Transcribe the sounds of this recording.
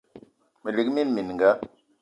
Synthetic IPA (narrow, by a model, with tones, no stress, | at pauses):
mə˨li˨kmi˦nmi˨n˨ŋɡa˦